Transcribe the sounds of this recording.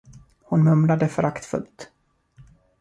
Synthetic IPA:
hʊnmɵmlad̪əfœɾʔakt̪fɵ̰lt̪

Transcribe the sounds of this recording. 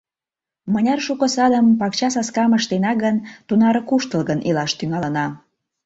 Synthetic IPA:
mənʲɑrʃukə̆sɑd̪əmpɑkt͡ɕɑsɑskɑməʃt̪enɑɣənt̪unɑɾəkuʃt̪əlɣənʔilɑʃt̪yŋɑlə̆nɑ

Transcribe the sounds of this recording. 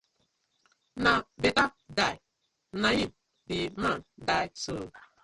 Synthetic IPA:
nabetadaj | najim | bimandajso

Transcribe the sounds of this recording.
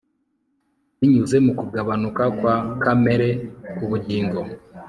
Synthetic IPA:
βiɲuze̞mukuɡaβanukakwakame̞ɾe̞kuβuɟiːŋɡo̞

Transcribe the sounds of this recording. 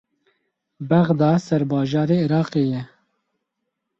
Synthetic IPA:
bɛɣd̪ɑːsɛɾbɑːʒɑːɾeiɾɑːqeːjɛ

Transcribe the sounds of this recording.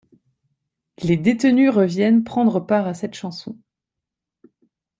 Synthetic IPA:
led̪et̪ənyʁəvjɛnpχɑ̃d̪ʁəpaʁasɛt̪ʃɑ̃sɔ̰̃

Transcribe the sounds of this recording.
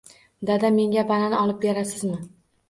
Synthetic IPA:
d̪ad̪ame̞ŋʲabalanɒlˠɪp̚beɾasɪzmɪ

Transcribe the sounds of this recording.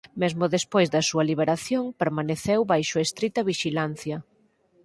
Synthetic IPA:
mezmʊðespojzðɐsuɐliβ̞eɾaθjoŋpeɾmaneθewβajʃʊest̪ɾit̪ɐβiʃilan̟θjɐ

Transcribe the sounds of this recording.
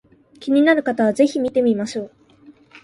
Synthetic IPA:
kʲiɲ̟inaɾɯ̟kat̪aβ̞aze̞çimʲit̪e̞mʲimaɕoː

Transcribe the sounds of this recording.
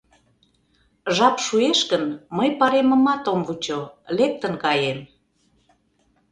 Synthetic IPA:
ʒɑpʃueʃkənməjpɑɾemə̆mɑt̪omvut͡ɕolek̚t̪ə̆nkɑjem

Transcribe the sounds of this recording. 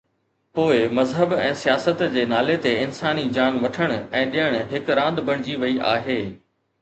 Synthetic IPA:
poːɪmɐzɦəbɛ̃ːsijaːsət̪d͡ʑeːnaːlet̪eɪnsaːnid͡ʑaːnʋɐʈʰəɽ̃ʊ̆ɛ̃ːɗijəɽ̃ɦɪkɾãːnd̪bɐɽ̃ɪd͡ʑiʋɐiʔa̰ːɦeː

